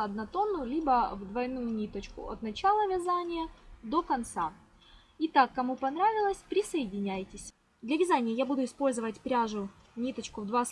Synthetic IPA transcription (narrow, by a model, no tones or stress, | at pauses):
ɐd̪nɐt̪o̞nːʊjʊlʲibəvd̪vɐjnujʊnʲit̪ət͡ɕkʊ̰ɐ̰t̪nɐt͡ɕalˠəvʲɪzanʲɪjəd̪o̞kɐnt̪sa | ɪt̪akːɐmupɐnɾavʲɪlˠəsʲpɾʲɪsəɪdʲɪnʲæjtʲɪsʲ | d̪lʲɐvʲɪzanʲɪjəjabud̪ʊɪspo̞lʲzəvətʲpɾʲaʐʊ | nʲit̪ət͡ɕkʊvd̪vas